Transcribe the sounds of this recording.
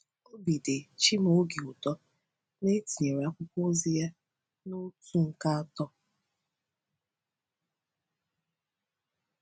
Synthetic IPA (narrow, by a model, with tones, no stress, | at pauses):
o˦bi˨de˨t͡ʃi˦m˨o˦ɡi˨u˨tɔ˦ | ne˦ti˨ɲe˨ɾe˨a˦kʷʊ˦kʷo˦zi˦ja˦ | no˦tu˦ŋ̩˨ka˦a˦tɔ˦